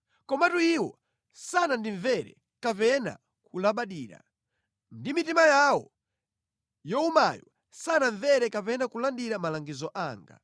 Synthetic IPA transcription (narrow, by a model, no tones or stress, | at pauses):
kɔmatuiwɔ | sanandiɱvɛɾɛ̰ | kapɛna̰ | kulaɓaɗiːɾa̰ | ndimitimajawɔ | jɔumajɔ | sanaɱvɛɾɛkapɛnakulandiɾamalaŋɡizɔʔaːŋɡa̰